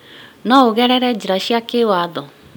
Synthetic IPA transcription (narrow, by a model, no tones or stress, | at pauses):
naoɣɛɾɛɾɛd͡ʑiɾaʃiakewaːðɔ